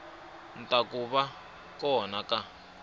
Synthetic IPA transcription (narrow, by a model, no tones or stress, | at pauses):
ntakuβa | kɔnaka